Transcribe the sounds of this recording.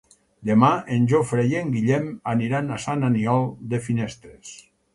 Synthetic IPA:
d̪emaenʲʒofɾejeŋɡiʎɛmaniɾanasananiɔlˠd̪efinest̪ɾes

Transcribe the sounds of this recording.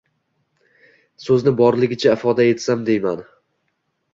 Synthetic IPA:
sɵznɪbɒɾlɪɡʲɪt͡ʃʰaɪfɒd̪ae̞t̪samd̪e̞jman

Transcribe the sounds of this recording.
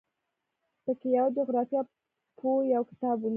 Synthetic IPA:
pəkejawad͡ʒoɣɾɑfjɑ | pʰojawkɪ̥t̪ɑbun

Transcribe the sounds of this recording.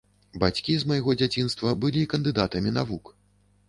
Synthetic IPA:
bat͡sʲkʲizmajɣɔd͡zʲat͡sʲin̪st̪vɐbɨlʲikɐnd̪ɨd̪at̪ɐmʲinavuk

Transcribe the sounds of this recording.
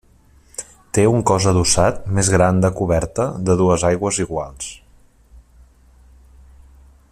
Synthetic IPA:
t̪euŋkɔzəðusat̪̚mezɣɾand̪əkuβɛɾt̪əd̪əðuəzajɣwəziɣwalˠs

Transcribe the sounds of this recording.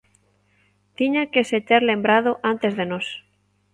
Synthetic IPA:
t̪iɲakeset͡ʃeɾlẽmbɾað̞oʔant̪ezðenos

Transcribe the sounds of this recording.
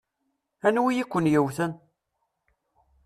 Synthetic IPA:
ænwijikʷːənjəwθən

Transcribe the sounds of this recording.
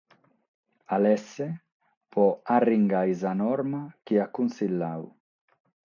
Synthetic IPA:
alɛsːe | pɔariŋɡajzanɔɾmakiakunsilːaw

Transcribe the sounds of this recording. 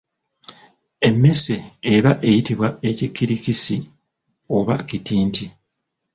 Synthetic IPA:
e̞mːe̞se̞ːɾaʔe̞jitiβwae̞cikːiɾikisi | o̞βa̰citiːntʰi

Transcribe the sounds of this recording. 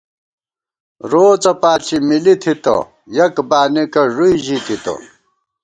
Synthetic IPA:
ɾoːt͡sɐpaːt͡ɕʰimilit̪ʰit̪o̰ | jɐkbaːnikɐʐujʑit̪ʰit̪o̰

